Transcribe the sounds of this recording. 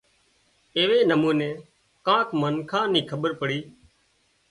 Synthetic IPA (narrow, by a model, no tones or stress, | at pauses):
eːʋeːnəmuːnẽː | kãːkmənkʰãːnĩːkʰəɓəɾpəɽiː